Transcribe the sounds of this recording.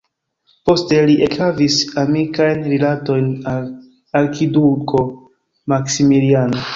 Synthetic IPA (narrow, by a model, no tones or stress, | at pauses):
po̞ste̞liʔekhavisamikajnɾilato̞jnal | aɾkʰiduko̞ | maksimiliano̞